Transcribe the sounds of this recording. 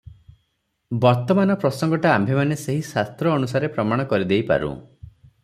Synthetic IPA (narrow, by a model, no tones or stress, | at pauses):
bɔɾt̪ɔmanɔpɾɔsɔŋɡɔʈaːmbʱimaneseɦisast̪ɾɔːnusaɾepɾɔmaɽ̃ɔkɔɾid̪ejpa̰ɾṵ̃